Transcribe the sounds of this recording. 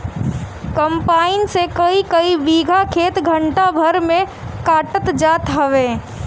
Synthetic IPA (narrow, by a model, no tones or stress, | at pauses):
kɐmpaːɪnsekəikəibiːɡʱakʰeːt̪ɡʱə̃ɳʈabʱɐɾmẽ | kaːʈət̪d͡ʒaːt̪ɦɐʋeː